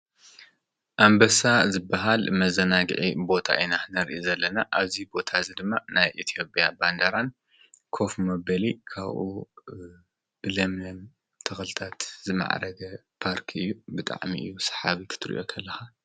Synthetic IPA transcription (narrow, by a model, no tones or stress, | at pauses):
ʔambɐsazɨbːaɦalmɐzɐnaɡɨ̰ʕḭbo̞t̪ʰa̰ʔinanɐɾʔizɐlːɐnaʔaβzibo̞t̪ʰazid̪ɨmːanajʔit̪ʰijo̞pʼjaband̪ɐɾan | kʰo̞fmɐbɐlikʰa̰βʔṵ | b̥ɨlɐmlɐm | t̪ʰɐxɨlt̪ʰat̪zɨma̰ʕ̰ɾɐɡɐ | pʰaɾkʰɨjːubɨt̪ʼa̰ʕmḭʔɨ̰jːusɐ̥ħaβikʰɨ̥t̪ʰɨɾḭʔo̞kʰɐlːɐxa